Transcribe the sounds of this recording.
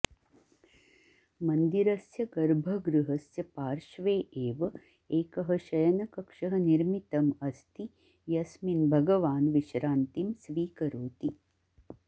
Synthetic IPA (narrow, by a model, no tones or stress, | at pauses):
mɐnd̪iɾɐsjɐɡɐɾbʱɐɡɾuɦɐsjɐpaːɾʃʋeːʔeːʋɐ | eːkɐɦɐ̆ʃɐjɐnɐkɐkʂɐɦɐniɾmit̪ɐmɐst̪i | jɐsminbʱɐɡɐʋaːnʋiʃɾaːnt̪imsʋiːkɐɾoːt̪i